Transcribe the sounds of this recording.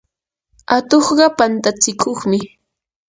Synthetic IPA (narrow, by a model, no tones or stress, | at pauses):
at̪oχɢɑpant̪at͡sɪkʰoχmɪ